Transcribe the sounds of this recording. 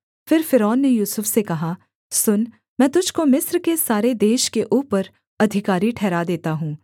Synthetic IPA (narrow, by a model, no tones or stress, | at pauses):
fɪɾfɪɾɔːnːejuːsʊfsekɐɦa | sʊn | mɛ̃ːt̪ʊd͡ʒʱkomɪsɾkesaːɾed̪eːʃkeʔuːpəɾ | ɐd̪ʱɪkaːɾiʈʰɛːɾad̪eːt̪aɦũː